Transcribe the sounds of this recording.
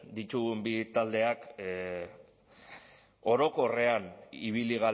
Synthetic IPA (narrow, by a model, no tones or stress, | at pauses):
d̪it̪uɣumbit̪ald̪e̞ak | o̞ɾo̞ko̞re̞aniβ̞iliɣa